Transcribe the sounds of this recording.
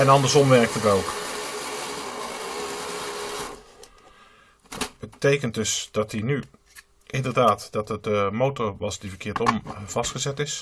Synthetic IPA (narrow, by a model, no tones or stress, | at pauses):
ɛnɑndəɹsɔmʋɛɹk̚tətowk | bətejkənt̚dɵsd̥ɑt̚iny | ʔɪndərdaːtd̥ɑtət̚dəmowtɔɹʋɑsdivərkʰɪːtɔmv̥ɑstχəzɛtɪs